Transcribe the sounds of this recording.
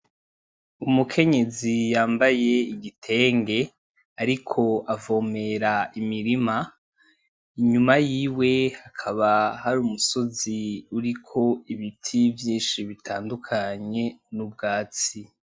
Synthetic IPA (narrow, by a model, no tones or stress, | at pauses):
umukʰe̞ɲe̞zijaːmbaje̞iɡitʰe̞ːŋɡe̞ | aɾikʰo̞ʔavo̞ːme̞ɾaimiɾima | iɲumajiːwe̞hakʰaβahaɾuːmuso̞ziuɾikʰo̞iβitʰivjiːnʃiβitʰa̰ːndukʰaɲe̞nub̚ɡaːt͡si